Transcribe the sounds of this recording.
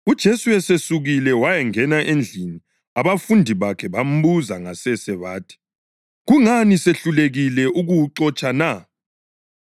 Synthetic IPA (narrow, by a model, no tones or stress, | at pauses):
ud̥ʒ̥ʱesuwɛsesuɣilɛwajɛŋɛnaʔend͡ɮʱini | aβafundʱiβakʰɛβam̩buzaŋasɛsɛβaːtʰi̥ | ɣuŋaniseɬuleɣilɛʔuɣuwǃɔt͡ʃʼana